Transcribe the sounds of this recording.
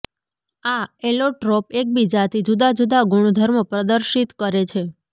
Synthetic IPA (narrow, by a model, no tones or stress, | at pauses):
aeloʈɾɔpek̚bid͡ʒat̪ʰid͡ʒud̪ad͡ʒud̪aɡuɽ̃od̪ʱəɾməpɾəd̪əɾʃit̪kəɾet͡ʃʰe